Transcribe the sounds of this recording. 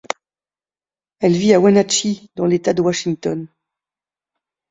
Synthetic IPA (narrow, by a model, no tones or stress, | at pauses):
ɛlviawanat͡ʃid̪ɑ̃let̪ad̪əwaʃiŋt̪ɔn